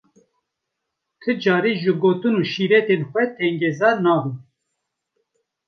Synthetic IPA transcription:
t̪ʰɨd͡ʒɑːɾiːʒɨɡoːt̪ɨnuːʃiːɾɛt̪enxʷɛt̪ʰɛŋɡɛzɑːɾnɑːbun

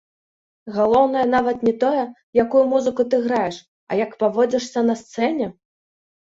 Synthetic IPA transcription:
ɣalˠɔwnɐjɐn̪avɐt̪nʲɛt̪ɔjɛ | jakujumuzɨkut̪ɨɣɾajɛʂ | ɐ̰jɐkpavɔd͡zʲɛʂsʲɐnɐst̪sɛnʲɛ

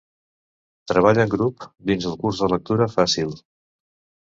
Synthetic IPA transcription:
t̪ɾəβ̞aʎəŋɡɾupd̪inzəlˠkurzðələk̚t̪uɾəfasilˠ

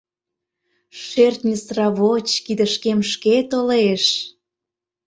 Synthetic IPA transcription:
ʃert̪nʲəsrɑβot͡ɕkid̪ə̆ʃkemʃket̪oleʃ

